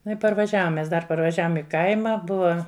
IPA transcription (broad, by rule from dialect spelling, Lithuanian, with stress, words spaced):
nʊ ɪ pɐrʋɐˈʒʲæːʋoːm mʲɛs ˈdɐr pɐrʋɐˈʒʲæːʋoːm ɪ ˈkɐɪmɐ ˈbʊʋɐ